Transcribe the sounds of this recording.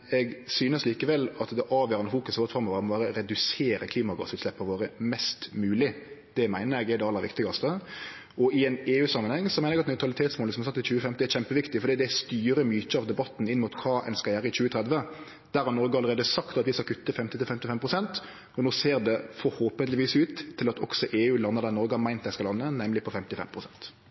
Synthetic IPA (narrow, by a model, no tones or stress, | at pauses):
ɛɡsyːnəsliːkəʋɛlːɑt̪d̪ɛʔɑːʋjøːɾɑnəfuːkʉsɔʋoːɾt̪fɔɾməʋɑːɾmɔbɑːɾəɾɛd̪ʉseːɾəkʰliːmɑɡɑ̰sʉːt̪slɛpːɑʋoːɾəmɛst̪mʉːlɪd̪̥ɛmæɪnəɾɛɡɛd̪ɖɛɑlːəɾʋɪ̰kt̪ɪɡɑst̪ə | ɔɪɛneːʉːsɑmːɑnhɛŋːsɔmæɪəɾɛɡɑt̪nœʉt̪ɾɑlɪt̪ʰeːt̪smoːləsɔmɑsɑt̪ːɪt͡ʃʉːəfɛmt̪ɪɛɾɕɛmpəʋɪkt̪ɪfɔɾɖ̪iːd̪ɛst̪yːɾəmyːtəɑʋd̪ɛbɑt̪ːn̩ɪnːmʊt̪kʰɑːʔɛ̰nskɑljæːɾəɪc͡çʉːət̪ʰɾɛd̪ʋə | d̪̥æɾhɑnɔɾɡəɑləɾeːd̪əsɑkt̪ɑt̪ʋɪskɑkʰʉt̪ːəfɛmt̪ɪt̪ɪlfɛmt̪ɪfɛmpʰɾʊsɛnt̪ | ɔnoːseːɾd̪ɛfɔɾhoːpənlɪʋiːsʉːt̪ʰːɪlɑt̪ʰɔ̰ksɔʔeːʉːlɑnːəɾd̪æːɾnɔɾɡəhɑmæɪnt̪d̪æɪskɑlɑnːənɛmlɪpʰɔfɛmt̪ɪfɛ̰mpʰɾʊsɛnt̪